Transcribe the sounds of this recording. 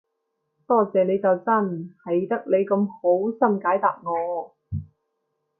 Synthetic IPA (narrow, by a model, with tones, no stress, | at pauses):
t̪ɔː˥˩t͡sɛː˨ne˨˧jt͡sɐ˨˧wt͡sɐ˥nhɐ˨jt̪ɐ˥k̚le˨˧jkɐ˧mho˨˥wsɐ˥mkaː˨˥jt̪aː˨p̚ŋɔː˨˧